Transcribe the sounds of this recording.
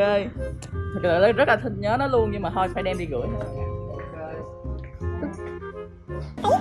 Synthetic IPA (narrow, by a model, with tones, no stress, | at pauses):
e˧t̪ʰɨ˨˩k̚la̰ː˨˩lːzə˦˥t̚laː˨˩t̪ʰï˧˩ŋɲə˨˦nɔ˨˦lu˧ənɲɨ˧ŋmaː˨˩ɦɔ˧˩jfaː˧jɗɛ˧mɗḭ˧ɣɨ̰˧˩əjɲa̰˧˩˧